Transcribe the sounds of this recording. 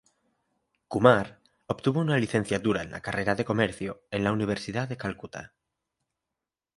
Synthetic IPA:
kumaɾ | opt̪uβounaliθe̞n̟θjat̪uɾaenla̰kare̞ɾaðe̞ko̞me̞ɾθjoenlauniβ̞e̞ɾsiðaðe̞kalkut̪a̰

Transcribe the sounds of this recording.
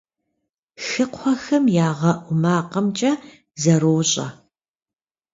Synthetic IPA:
xɨqʷʰɔxɐmjaːʁɐʔʷʊmaːqɐmt͡ʃʼɐ | zɐɾoːɕʼɐ̰

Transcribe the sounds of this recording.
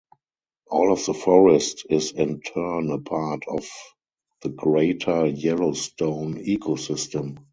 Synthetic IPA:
ʔɔːlɔfðəfɔɹɛstɪzɪ̃ntʰɜ˞nəpʰatʰɔf | ðəɡɹeɪtʰə˞jɛloʊstõʊ̃niːkʰosɪstə̃m

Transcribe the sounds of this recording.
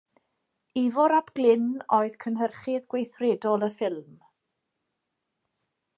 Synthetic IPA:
ivɔɾabɡ̥lɪnoɨðkʰənɦərχɪðɡwejθrɛdɔlˠəfɪlˠm

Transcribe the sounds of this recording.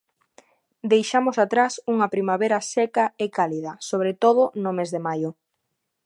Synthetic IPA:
d̪ejʃamʊsat̪ɾasuŋɐpɾimaβeɾɐsɛkɐekaliðɐsoβ̞ɾet̪oðʊnomezðemajʊ

